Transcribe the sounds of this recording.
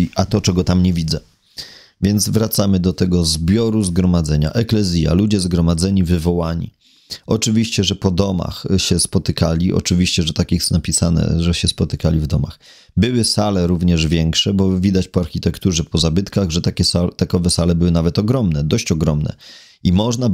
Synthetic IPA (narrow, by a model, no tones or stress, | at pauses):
ʔat̪ɔt͡ʂɛɡɔt̪amɲɛvʲid̪zɛ | vʲjɛnd̪zvɾat̪samɘd̪ɔt̪ɛɡɔzbʲjɔɾuzɡɾɔmad̪zɛɲa̰ʔɛklɛzʲja̰lud͡ʑɛzɡɾɔmad̪zɛɲivɘvɔwaɲḭ | ɔt͡ʂɘvʲiɕt͡ɕɛʐɛpɔd̪ɔma̰xɕɛspɔt̪ɘkalʲiʔɔ̰t͡ʂɘvʲiɕt͡ɕɛʐɛt̪akʲixsnapʲisanɛ̰ʐɛɕɛspɔt̪ɘkalʲivd̪ɔma̰x | bɘwɘsalɛɾuvɲɛʐvʲjɛŋkʂɛbɔvʲid̪at͡ɕpɔaɾxʲit̪ɛkt̪uʐɛpɔzabɘt̪kaɣʐɛt̪akʲɛsat̪akɔvɛsalɛbɘwɘnavɛt̪ɔɡɾɔmnɛd̪ɔɕt͡ɕɔɡɾɔmnɛ̰ | imɔʐna